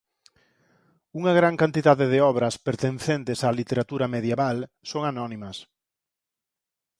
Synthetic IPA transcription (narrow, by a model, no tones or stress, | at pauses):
uŋɐɣɾaŋkant̪iðaðeðeɔβɾɐspeɾt̪enθent̪ɪsalit̪eɾat̪uɾɐmeðjeβalsoŋanɔnimɐs